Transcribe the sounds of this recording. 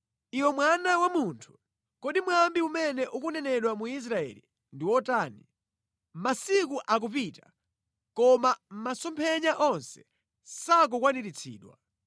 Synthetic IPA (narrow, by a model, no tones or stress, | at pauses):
iwɔmwanawamuntʰu̥ | kɔɗimwambiumɛnɛʔukunɛnɛɗwamuis̬ɾaɛ̰ːlḭ | ndiwɔtaːni | masikuʔak̬up̬ita | kɔmam̩masɔmpʰɛɲaʔɔnsɛ̥ | sak̬ukwaniɾit͡sʰḭːɗwa̰